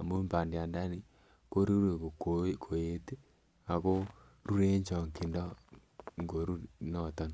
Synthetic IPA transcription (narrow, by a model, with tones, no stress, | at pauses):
a˨mo˦mba˨nde˨a˨nda˦ni˦ | ko˦ɾi˦ɾwe˨ko˨kokʰo˨e˦te˦ | a˨ko˦ | ɾu˦ɾe˦ɲt͡ʃo˨ŋki˨ndɔ˦ | ŋɡo˨ɾu˦no˨ta˦n